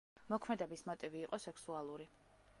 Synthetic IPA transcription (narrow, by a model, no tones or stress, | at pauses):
mɔkʰmɛd̪ɛbismɔt̪ʼiviːqʼɔsɛksualˠuɾi